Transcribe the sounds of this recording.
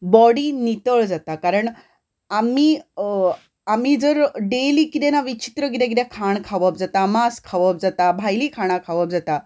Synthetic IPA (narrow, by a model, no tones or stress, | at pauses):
bɔɽiːnit̪əɭd͡zat̪akaɾəɳ | amiː | am̤id͡zəɾɖeliːkit̪ɛnaʋit͡ɕi̥t̪ɾəɡit̪ãɡid̪jakʰaɳkʰaʋəpd͡zat̪amaskʰaʋəp̚d͡zat̪abʱajliːkʰaɽ̃akʰaʋəp̚d͡zat̪a